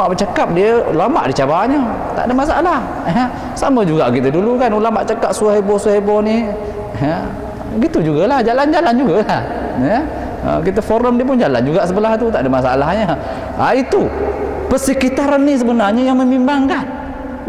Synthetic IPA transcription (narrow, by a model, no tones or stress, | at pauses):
aʔbət͡ʃakap̚diəlama̰ʔdit͡ʃabaɲə | t̪a̰ʔdəmasaalah | jə | saməd͡ʒuɡaʔkit̪ədulukanulamaʔt͡ʃakap̚suaɦebɔsuahebɔni | ə | ɡit̪ud͡ʒuɡalahd͡ʒaland͡ʒaland͡ʒuɡalah | jə | ə̰kit̪əfoɾəmdiəp̬ʊnd͡ʒala̰nd͡ʒuɡaʔsəbəlaht̪ut̪aʔdəmasaalahɲə | ait̪u | pərsəkit̪aɾanːis̬əbənarɲəjaŋməmimbaŋkan